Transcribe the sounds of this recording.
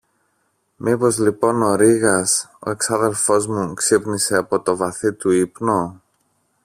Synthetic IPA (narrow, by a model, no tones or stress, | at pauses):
mipo̞zlipo̞no̞ɾiɣɐso̞̰e̞ksɐðe̞lfo̞zmuksipnise̞ɐpo̞t̪o̞vɐθit̪uipno